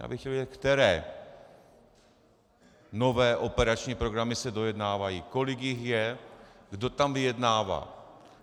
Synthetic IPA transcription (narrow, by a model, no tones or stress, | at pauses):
a̰bɪxcɛlviɛt̪kt̪ɛɾɛː | no̞vɛːʔo̞pɛɾat͡ʃɲiːpɾo̞ɡɾamɪsɛdo̞jɛdnaːvajiːko̞lɪɡjɪxjɛɡdo̞t̪amvɪjɛdnaːva̰ː